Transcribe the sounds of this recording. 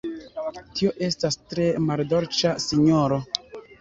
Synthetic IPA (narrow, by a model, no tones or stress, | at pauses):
tio̞ʔe̞stastɾe̞maldo̞ɾt͡ʃasiɲoɾo̞